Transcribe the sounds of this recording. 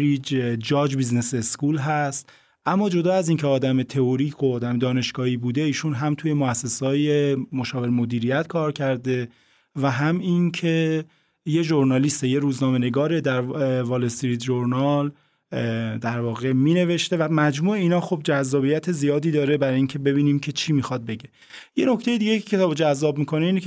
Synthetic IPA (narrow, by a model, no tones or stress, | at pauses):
ɾid͡ʒd͡ʒɒːd͡ʒbiznese̞skuːlɦæst̪ | ʔæmːɒːd͡ʒo̞d̪ɒːæziŋcʰeɒːd̪æmet̪ʰe̞oɾiːkʰoːd̪æmed̪ɒːne̞ʃɡ̥ɒːhiːbuːd̪eiːʃunɦæmt̪ʰuːje̞moæsːe̞sɒːjemoʃɒːve̞ɾemo̞d̪iːɾijæt̪kʰɒːɾcʰæɾd̪e̞ | væɦæmiŋcʰe̞ | je̞ʒoɾnɒliːst̪eje̞ɾuːznɒːme̞ne̞ɡɒːɾed̪æɾvɒːlest̪iɾid̪ʒoɾnɒl | d̪æɾvɒːɣe̞miːne̞ve̞ʃt̪e̞væmæd͡ʒmuːeiːnɒːxo̞b̚d͡ʒæzːɒːbijæt̪ʰe̞zijɒːd̪iːd̪ɒːɾebæɾiŋcʰe̞be̞βiːniːmcʰe̞t͡ʃʰiːmiːxɒd̪̚be̞ɟe̞ | je̞no̞ct̪ʰejed̪iɟeecʰe̞t̪ɒːbd͡ʒæzːɒːbmikʰo̞neiːnekʰ